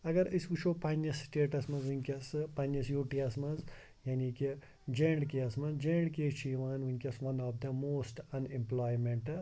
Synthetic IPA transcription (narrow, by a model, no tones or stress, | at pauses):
ɐɡɐɾiskut͡ʃʰopɐnɐsʈeːʈɐsmɐzʋunkʲɐspɐnɐsjoːʈiɐsmɐz | jaːniki | d͡ʒẽːɳɖkiɐsmɐzd͡ʒẽːɳɖkeːt͡ʃʰiːʋaːnʋinʲkʲɐsʋɐnɔːfd̪ɐmoːsʈɐnĩmplaːjmẽɳʈ